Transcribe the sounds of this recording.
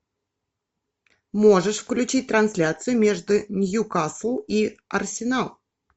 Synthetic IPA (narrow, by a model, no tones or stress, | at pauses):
mo̞ʐɨʂfklʲʉt͡ɕit̚ʲt̪ɾɐnsʲlʲat̪sɨjʊmʲeʐd̪ʊnʲjukaslˠiɐrsʲɪnalˠ